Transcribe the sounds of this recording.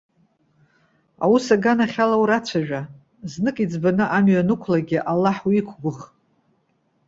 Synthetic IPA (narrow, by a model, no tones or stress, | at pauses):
a̰wusaɡanaχʲalawɾat͡ʃʷʰaʒᶣa | znɨkʼid͡zbanɨʔamɥanɨkʷʰlaɡʲɪʔalːaħwiikʷʰɡʷʊχ